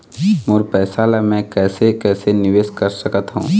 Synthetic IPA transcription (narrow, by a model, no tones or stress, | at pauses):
mʊːɾpɛːsaːlamɛ̃kɛːsekɛːsenɪʋeːskəɾsəkət̪ɦṵ̃ː